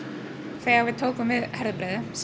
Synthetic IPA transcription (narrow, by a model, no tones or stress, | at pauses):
θɛɣavɪðt̪ʰoːwkʏmvɪðhɛɾðpɾɛːðɪs